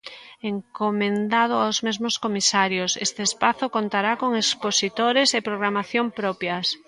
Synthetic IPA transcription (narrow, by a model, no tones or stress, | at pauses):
eŋkomẽnd̪að̞ʊawzmezmoskomisaɾjosest̪eːspaθokont̪aɾakoŋeksposit̪oɾesepɾoɣɾamaθjompɾɔpjas